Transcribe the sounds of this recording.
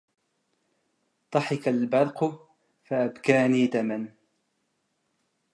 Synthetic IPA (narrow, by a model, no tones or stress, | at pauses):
t̪ˤɑħɪkalbɑɾˤqʊ | faʔabkaːniːd̪aman